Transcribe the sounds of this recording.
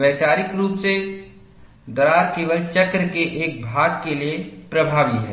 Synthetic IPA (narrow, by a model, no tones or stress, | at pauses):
ɛːt͡ʃaːɾɪkɾuːpse | d̪ɔɾaːɾkeːʋəlt͡ʃəkɾəkeʔeːk̚bʱaːɡkeliepɾəbʱaːʋiɦɛ̰